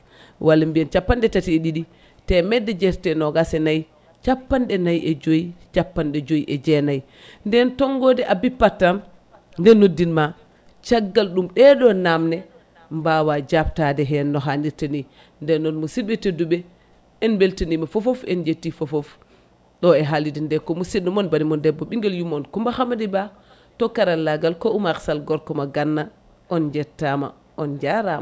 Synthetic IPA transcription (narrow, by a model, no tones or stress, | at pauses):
wʔalːambiɛnt͡ʃapːandɛtatieɗiɗi | tɛmɛdːɛd͡ʒɛɾtɛnɔɡasɛnaj | t͡ʃapːandɛnajʔɛd͡ʒojit͡ʃapːanɗɛd͡ʒojiʔɛd͡ʒɛnaj | ndɛntɔŋɡɔdɛʔabipːatːam | ndɛnːodːinma | t͡ʃaɡːalɗumɗɛɗɔnamnɛ | mbawad͡ʒaptadɛɦɛnːɔɦandiɾtani | ndɛnːɔnmusiɓɛteduɓɛ | ɛnbeltenimafɔfofɛnd͡ʒetːifɔfof | ɗɔɛɦalidindɛkɔmusiɗumɔnbanimɔndɛbːɔɓiŋɡɛljumɔnkɔmbahamadiba | tɔkːaɾalːaɡalkɔʔumaksalɡɔɾkɔmaɡanːa | ʔɔnd͡ʒɛtːama̰ | ʔɔnd͡ʒaɾama